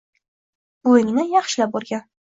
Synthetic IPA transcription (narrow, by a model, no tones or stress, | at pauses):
bojɪŋnɪjɑχʃɪlap̚bɒɾɡʲan